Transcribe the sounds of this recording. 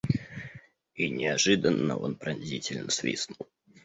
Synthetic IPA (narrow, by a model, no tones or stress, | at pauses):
inʲɪɐʐɨd̪ənːə̰o̞̰npɾɐnʲzʲitʲɪlʲnəsvʲḭsnulˠ